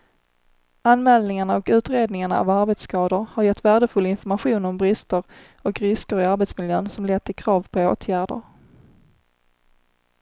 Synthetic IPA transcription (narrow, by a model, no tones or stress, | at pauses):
anmɛːld̪nɪŋaɳaɔkʉ̟ːt̪ɾeːd̪nɪŋaɳa̰a̰vaɾbɛt̪skɑːd̪ʊɾhaɾjɛt̪ːvæːɖəfɵlːɪnfɔɾmaɧuːnɔmbɾɪst̪əɾ | ɔkɾɪskəɾɪaɾbɛt̪smɪljøːnsɔmlɛt̪ːɪkʰɾɑːvpʰɔo̰ːt̪ʰjæːɖə̰ɾ